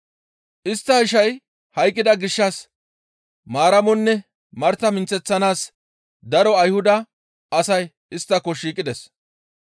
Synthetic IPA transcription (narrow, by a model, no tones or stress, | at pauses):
ʔɪst̪ːɐhɪʃɐj | hɐjkʼːɪd̪ɐɡɪʃːɐs | maːɾɐmɔnːɛ | mɐɾt̪ːɐmɪnt͡sːɛt͡sːɐnaːs | d̪ɐɾɔɐjhʊd̪ɐ | ɐsɐj | ɪst̪ːɐkːɔʃiːkʼːɪd̪ɛs